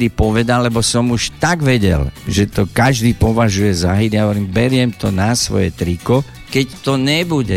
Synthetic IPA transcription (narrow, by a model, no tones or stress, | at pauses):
d̪ipɔʋɛd̪alːɛbɔsɔmuʃt̪aɡʋɛɟɛ̰lʒɛt̪ɔkaʒd̪iːpɔʋaʒujɛzaɦid̪jaɦɔʋɔɾiːmbɛɾɪɛmt̪ɔnasʋɔ̰jɛ̰t̪ɾikɔ | kɛct̪ɔɲɛbuɟɛ